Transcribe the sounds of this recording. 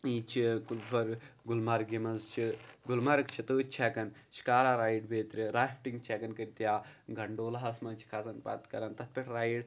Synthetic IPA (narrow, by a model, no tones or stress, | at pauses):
iːt͡ʃʰikulfɐɾɡulmɐɾɡʲimɐzt͡ʃʰiɡulmɐɾɨkt͡ʃʰit̪uːt̪̚ʲt͡ʃʰɛːkɐn | ʃʰi̥kaːɾaːɾaːjɖbeːt̪ɾʲiɾaːfʈiŋɡt͡ʃʰɛːkɐnkɐɾʲt̪ʲjaːɡɐɳɖoːlɐɦɐsmɐt͡ʃʰi̥kʰazɐnpɐ̰t̪kɐɾɐnt̪ɐt̪̚pʲɐʈʰɾaːiɖ